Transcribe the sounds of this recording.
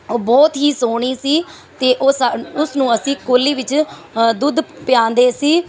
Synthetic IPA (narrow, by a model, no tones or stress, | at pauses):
oːbɔːt̪ɦiːsoːɳ̃iːsiː | t̪eːʔosaʊsnũːəsĩːkoːliːʋɪt͡ʃd̪ʊd̪pɪjãːnd̪eːsiː